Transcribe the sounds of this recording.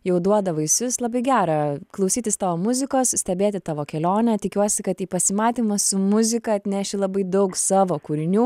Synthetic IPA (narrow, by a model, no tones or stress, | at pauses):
jɛʊd̪uɔd̪ɐʋɐɪsʲʊslˠɐbɐɪɡʲæːɾɑːklˠɐʊsʲiːt̪ʲɪst̪ɑːʋoːmʊzʲɪkoːssʲt̪ʲɛbʲeːt̪ʲɪt̪ɑːʋoːkʲɛlʲoːnʲɛt̪ʲɪkʲuɔsʲɪkɐt̪iːpɐsʲɪmɑːt̪ʲiːmɐsʊmʊzʲɪkɐɐt̪ʲnʲæːʃʲɪlˠɐbɐɪd̪ɐʊksɑːʋoːkuːɾʲɪnʲuː